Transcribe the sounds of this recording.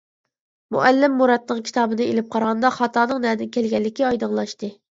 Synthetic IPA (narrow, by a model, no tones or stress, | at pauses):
mṵʔælːɪmːuɾɑt̪nəqkʲʰi̥t̪ʰɑːbɨnɨelɪp̚qʰɑɾʁɑnd̪ɑχɑt̪ʰɑːnɨŋnɛd̪ɪnkʲælɡʲɛlːɪkʲiɑjd̪əʁlˠɑʃt̪ɨ